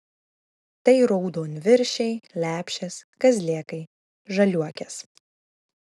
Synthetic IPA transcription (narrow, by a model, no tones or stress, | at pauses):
t̪ɐɪɾɔʊd̪oːnʲʋʲɪɾʲʃʲɛɪlʲæːpʲʃʲɛskɐzʲlʲiɛkɐɪ | ʒɐlʲuɔkʲɛs